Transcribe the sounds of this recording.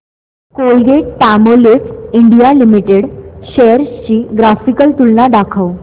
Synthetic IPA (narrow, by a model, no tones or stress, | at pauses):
kolɡeʈ̚ʈamolifiɳɖijalimiʈeɽɕejəɾst͡ɕiːɡɾafikəlt̪ulnaɖakʰəw